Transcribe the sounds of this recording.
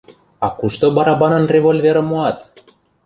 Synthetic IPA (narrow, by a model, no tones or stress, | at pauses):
ɑkuʃt̪obɑɾɑbɑnɤ̆nrʲevolʲveɾĕmoɑt̪